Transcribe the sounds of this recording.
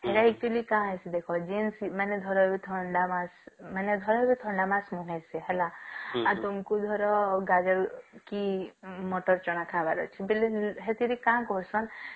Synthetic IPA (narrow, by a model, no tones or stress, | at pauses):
ɦeɾaik̚t̪ilikãɦesid̪ekʰɔd͡ʒinsmaned̪ʱɔɾɔbit̪ʰɔɳɖamasmaned̪ʱɔɾɔɦbit̪ʰɔɳɖamãsmuɦeseɦelaat̪umkud̪ʱɔɾɔɡad͡ʒɔɾkimɔʈɔɾt͡ʃɔñakʰabaɾɔ̰t͡ʃʰibeleɦet̪iɾikãkɔɾsɔn